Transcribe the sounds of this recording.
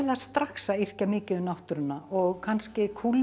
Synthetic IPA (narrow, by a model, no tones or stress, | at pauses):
last̪ɾaxsair̥camɪːcɪʏmnawht̪ʏɾʏnːaʔɔɣkʰanscɪkʰul